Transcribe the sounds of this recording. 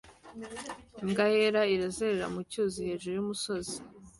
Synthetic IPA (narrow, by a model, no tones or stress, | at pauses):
iŋɡaheɾaiɾazeɾeɾa̰mucuzihe̞ːʒuɾujumuso̞zi